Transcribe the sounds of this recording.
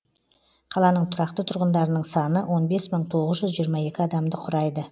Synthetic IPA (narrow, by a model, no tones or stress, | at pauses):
qʰɑlˠɑnəɴt̪ʰʊɾɑqt̪ət̪ʰʊɾʁənd̪ɑɾənəɴsɑnəwʔo̞nbe̞sməɴt̪ʰo̞ʁəzʒʏzʒijəɾmɑe̞kʲɪɑd̪ɑmd̪əqʰʊɾɑjd̪ə